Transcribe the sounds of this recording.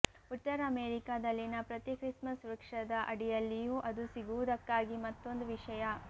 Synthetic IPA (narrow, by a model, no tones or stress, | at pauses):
ut̪ːɐɾɐɐmeːɾikaːd̪ɐlːinɐpɾɐt̪ikɾismɐsuɾɐkʂɐd̪ɐʔɐɽijɐlːijuːʔɐd̪usiɡuʋud̪ɐkːaːɡimɐt̪ːo̞nd̪uʋiʂɐjɐ